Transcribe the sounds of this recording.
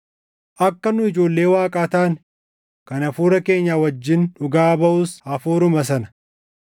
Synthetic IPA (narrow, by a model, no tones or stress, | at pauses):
ʔɐkːɐnʊɪd͡ʒo̞ːlːe̞ːwaːkʼaːt̪aːn | kɐnɐfuːɾɐke̞ːɲːaːwɐd͡ʒːɪnᶑʊɡaːbɐʔʊshɐfuːɾʊmɐs̬ɐnɐ̥